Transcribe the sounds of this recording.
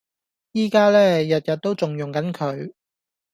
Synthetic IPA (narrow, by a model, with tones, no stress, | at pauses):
jiː˥kaː˥lɛː˥jɐ˨t̚jɐ˨t̚t̪ːo˥wt͡sʊ˨ŋjʊ˨ŋkɐ˨˥nkʰɵ˨˧ɥ